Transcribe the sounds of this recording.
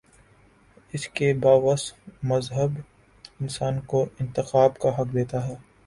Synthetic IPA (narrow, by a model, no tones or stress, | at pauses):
ɪskebaːʋəsmɐzɦəb | ɪnsaːnkoʔɪ̃nt̪ɪxaːbkaɦɐkd̪eːt̪aɦɛː